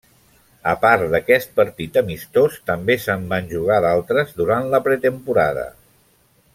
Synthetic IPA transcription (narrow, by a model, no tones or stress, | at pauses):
əpaɾd̪əkɛst̪̚pəɾt̪it̪əmist̪ost̪əmbesəmbanʲʒuɣ̞aðalˠt̪ɾəzðuɾant̪ləpɾət̪əmpuɾa̰ðə̰